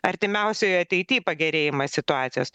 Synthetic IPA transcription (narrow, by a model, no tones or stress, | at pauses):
ɐɾʲt̪ʲɪmʲɛʊsʲɛɐt̪ʲɛɪt̪ʲiːpɐɡʲɛɾʲeːjɪmɐsʲɪt̪ʊɑːt̪sʲɪjoːs